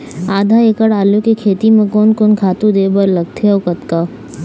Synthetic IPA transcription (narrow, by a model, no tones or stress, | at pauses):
aːd̪ʱaeːkəɽaːlukekʰeːt̪imẽkɔːnkoːnkʰaːt̪ũd̪eːbəɾlɐɡ̚t̪ʰeokɐt̪kaː